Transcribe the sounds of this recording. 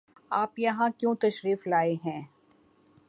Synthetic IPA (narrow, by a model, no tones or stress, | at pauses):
aːpjɐɦãkjõt̪ɐʃɾiːflaːeɦɛ̃ː